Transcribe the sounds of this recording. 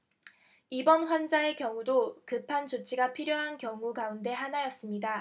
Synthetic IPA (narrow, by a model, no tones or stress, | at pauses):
ibʌnɸwand͡ʑae̞kjʌŋudokɯpʰant͡ɕut͡ɕʰiɡapʰiɾjoɦankjʌŋuɡaunde̞ɦanajʌs͈ɯmɲida